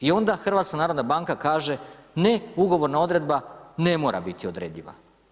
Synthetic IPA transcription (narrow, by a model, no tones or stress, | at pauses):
io̞nd̪axr̩ʋat̪skanaːɾod̪nabaːŋkakaːʒe̞neuɡo̞ʋo̞ɾnao̞d̪ɾe̞d̪̚bane̞mo̞ːɾa̰bit̪iod̪ɾeːd̪ʎiʋa̰